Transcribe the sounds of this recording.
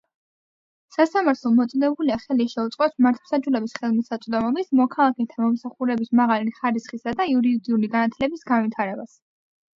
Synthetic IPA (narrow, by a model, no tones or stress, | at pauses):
sasamaɾt̪ʰlˠɔmɔt̪sʼɔd̪ɛbuliaχɛliʃɛut̪sʼqʼɛpsmaɾt̪ʰwsad͡ʒulɛbisχɛlˠmisat̪sʼd̪ɔmɔbismɔkʰalˠakʰɛt̪ʰamɔmsaχuɾɛbismaʁaliχaɾisχisad̪aiuɾid̪iuliɡanat̪ʰlɛbisɡanvit̪ʰaɾɛbas